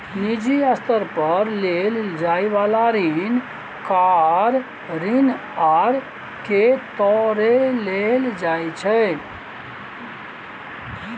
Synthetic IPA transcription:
nid͡ʒiəst̪əɾpəɾleld͡ʒaːiʋalaɾin | kaɾ | ɾin | aɾ | ket̪ɔːɾeleld͡ʒaːjt͡ʃʰe

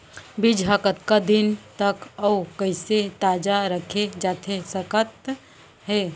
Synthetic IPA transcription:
bɪd͡ʒʱaːkət̪kad̪ɪnt̪əkɔkəɪset̪aːd͡ʒaɾəkʰed͡ʒaːt̪ʰesəkət̪ | ɦɛː

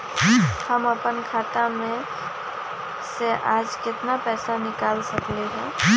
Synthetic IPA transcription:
həməpənkʰaːt̪amẽ | seʔaːd͡ʒkɪt̪napɛːsanɪkaːlsəkleɦaː

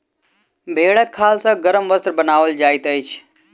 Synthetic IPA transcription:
bʱeːɭəkʰːaːlsãːɡəɾəmʋəst̪ɾbənaːʋəld͡ʒaːɪt̪əit͡ʃʰ

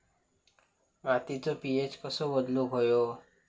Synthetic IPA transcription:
ɡãt̪it͡sopiet͡ʃkəsobəd̪loɦojo

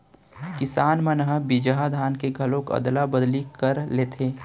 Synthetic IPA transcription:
kɪsaːnmənəɦəbid͡ʒəɦad̪ʱaːnkeɡʱɐlõkɐ̰d̪labəd̪likəɾleːt̪ʰeː

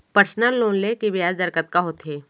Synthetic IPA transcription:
pəɾsnəlːoːnlekibɪjaːd͡ʒd̪əɾkət̪̚kaɦoːt̪ɦeː

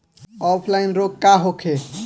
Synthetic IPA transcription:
ɔpʰlaɪnɾoɡ̚kaɦokʰe

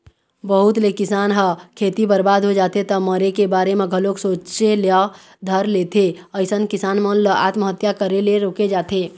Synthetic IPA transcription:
bəɦut̪lekɪsaːnɦəkʰeːt̪ibəɾbaːd̪ʱɦod͡ʒaːt̪et̪əməɾekebaːɾemẽɡʱəloksoːt͡ʃelja | d̪ʱəɾlet̪ʰeəɪsənkɪsaːnmənləa̰ːt̪məɦət̪jakəɾeleɾoked͡ʒaːt̪ʰe

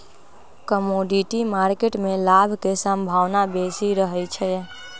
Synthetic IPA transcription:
kəmoɖiʈimaɾkeʈmelabʱkesə̃mbʱaʋnabesiɾəɦɛlt͡ʃʰɛ

